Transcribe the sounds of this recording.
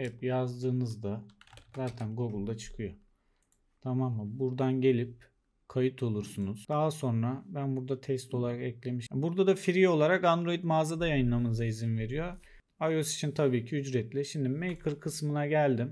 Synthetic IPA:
ɛpjazd̪ɯːnɯzd̪azaːt̪ʰænɡoɡɯlˠd̪at͡ʃʰɯ̥kʰɯjo | t̪ʰamamːɯbuɾd̪anɟe̞lʲip̚ | kʰajɯt̪ʰo̞lˠuɾsunuzd̪̥aːso̞nɾabænbuɾd̪at̪ʰɛst̪ʰo̞lˠaɾakɛclʲe̞miʃbuɾd̪ad̪afiɾio̞lˠaɾakand̪ɾo̞jit̪maːzad̪ajajɯnlˠamɯnɯzaizinve̞ɾijo̞ | ajosi̥t͡ʃʰint̪ʰabiːcʰiyd͡ʒɾɛt̪lʲɛʃimd̪imejkʰɯɾkʰɯsmɯnaɟælʲd̪im

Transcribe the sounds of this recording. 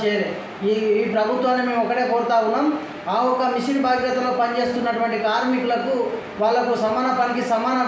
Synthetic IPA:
t͡ʃeːɾe | iːpɾɐbʱut̪ʋaːnːime̞ːmɔkːɐɽe̞ːpoːɾt̪aːwunːaːm | aːɔkːɐmiʂinbaːɡjɐt̪ɐlo̞ːpɐnt͡ʃe̞ːst̪unːɐʈuʋɐɳʈikaːɾmikulɐku | ʋaːɭːɐkusɐmaːnɐpɐnikisɐmaːnɐ

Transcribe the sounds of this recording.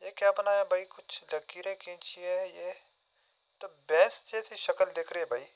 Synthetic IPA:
jekjaːpnaɛbʱaːikʊt͡ʃʰlɐkiɾekĩt͡ʃiɛje | t̪obɛːsd͡ʒɛːsiʃɐkəld̪eːkʰɾeɛbʱaːi

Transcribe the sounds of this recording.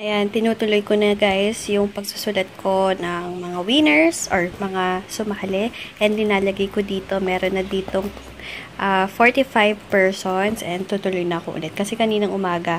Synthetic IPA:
ʔɐjant̪ɪnuːt̪ʊlojkonɐɡajsjʊŋpɐɡ̚sʊ̥sʊlɐt̪̚kʰo̞nɐŋmɐŋawinɛɹsʔoɹmɐŋasʊmahɐlɛʔɛnd̪lɪnaːlɐɡɐjkod̪iːt̪o̞mɛːɾonːɐd̪iːt̪oŋ | ʔafoɹt̪ifajvpɛɹsonsʔɛn̚t̪uːt̪ʊlojnɐɐkoʔʊ̰lɛt̪̚kɐsɛkɐniːnɐŋʔʊmaːɡɐ

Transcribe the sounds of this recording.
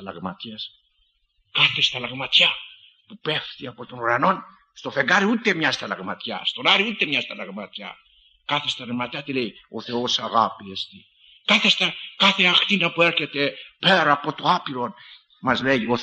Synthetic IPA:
lɐ̰ɣmat̪iɐs | kaθest̪ɐlɐɣmɐt̪ça | pupe̞fθiɐpo̞t̪o̞nuɾɐno̞n | st̪o̞fe̞ŋɡaɾiut̪e̞mɲɐst̪ɐlɐɣmɐt̪ça̰st̪o̞naɾiut̪e̞mɲast̪ɐlɐɣmat̪ça̰ | kaθest̪ɐlɐmɐt̪çat̪ilejo̞θe̞o̞saɣapiest̪i | kaθe̞st̪ɐkaθeaxt̪inɐpue̞ɾçe̞t̪e̞peɾapo̞t̪o̞apiɾo̞n | mɐzleʝio

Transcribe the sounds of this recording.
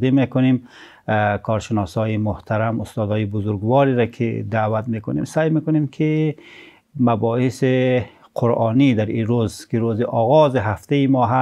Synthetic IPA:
d̪imekʊnem | kʰɒɾʃɪnɔsɔːjimʊht̪ʰaɾamʊst̪ɔːd̪ɔːjibʊzʊɾɡwɔɾiɾakʰɪ̰d̪awat̪mekʊnḛmsajmekʊnemkʰɪ | mabɔhɪse | qʰʊɾʔɑːnid̪aɾiɾozkɪɾoziʔɒɣɔziɦaft̪ejimɔːɦa

